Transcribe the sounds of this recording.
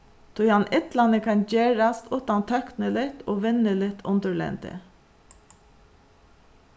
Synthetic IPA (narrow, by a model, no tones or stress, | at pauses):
t̪ʰʊʏɑnʔɪt̪lɑnəkʰɑnd͡ʒeːɾɑst̪ʰʊːt̪ɑnt̪ʰœknəlɪt̪ʰoːʋɪnːəlɪt̪ʰːʊnd̪əɹɭɛ̰nt̪ə̰